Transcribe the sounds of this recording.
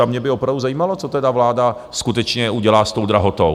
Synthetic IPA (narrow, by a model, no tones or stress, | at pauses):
amɲɛbɪopɾavduzajiːmalo̞t͡so̞t̪ɛdavlaːda | skut̪ɛt͡ʃɲɛuɟɛlaːst̪o̞wd̪ɾaɦot̪ow